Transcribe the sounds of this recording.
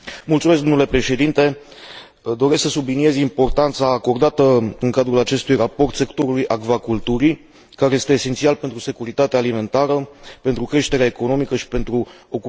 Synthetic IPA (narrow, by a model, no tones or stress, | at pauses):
mult̪sumes̬k̚ɡd̪onule̞pɾe̞ʃe̞d̪int̪e̞ | d̪o̞ɾesksəsublinie̞zʲimpo̞rt̪ant̪saːko̞rd̪at̪əɨŋkad̪ɾulat͡ʃe̞st̪ujrapo̞rt̪se̞kt̪o̞ɾulujʔakvakult̪uɾi | kaɾeje̞st̪e̞ːse̞nt̪sialpe̞nt̪ɾuse̞kuɾit̪at̪eaːlime̞nt̪aɾəpe̞nt̪ɾukɾe̞ʃt̪eɾeaeko̞no̞mikəʃi̥pe̞nt̪ɾu | o̞k